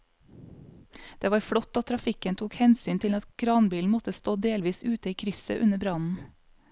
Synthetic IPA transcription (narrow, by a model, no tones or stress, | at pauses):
d̪̥eːʋɑːɾfɽɔt̪ːɑt̪t̪ʰɾɑfɪkənt̪ʰuːkhɛnsyːnt̪ʰɪlɑt̪kʰɾɑːnbiːln̩mɔt̪əst̪oːd̪eːlʋiːsʉːt̪əiːkʰɾʏsə̰ʔʉnəbɾɑnn̩